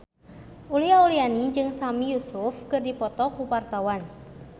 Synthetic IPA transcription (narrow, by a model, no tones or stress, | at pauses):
ʔuliaulianid͡ʒɨŋsamijusufkɨrdipɔt̪ɔkuwart̪awan